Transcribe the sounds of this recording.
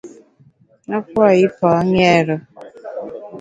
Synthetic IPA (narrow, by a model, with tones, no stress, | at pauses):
nɔ˦kʷɔ˦˨ɪ˦pɔ˨˦ɲ˦e˦˨ɾʊ˦